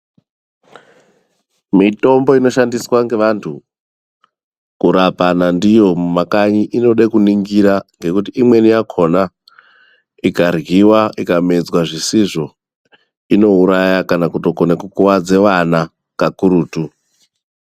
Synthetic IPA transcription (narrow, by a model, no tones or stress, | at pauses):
mito̞mbo̞ino̞ʃandiswaŋɡe̞ʋantʰu | kuɾapanandijo̞mumakaɲiʔino̞ɗekuniŋɡiɾaŋɡe̞kutiimwe̞nijakʰo̞na | ikarɣiwaʔikame̞d͡zwaʐisiʐo̞ | ino̞uɾajakanakuto̞konekukuwad͡ze̞ʋana | kakuɾuːtu